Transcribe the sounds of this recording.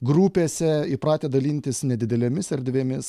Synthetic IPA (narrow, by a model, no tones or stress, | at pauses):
ɡɾuːpʲeːsʲɛɪpɾɑːt̪ʲeːd̪ɐlʲiːnʲt̪ʲɪsnʲɛd̪ʲɪd̪ʲɛlʲemʲɪsɛɾʲd̪ʲʋʲeːmʲɪs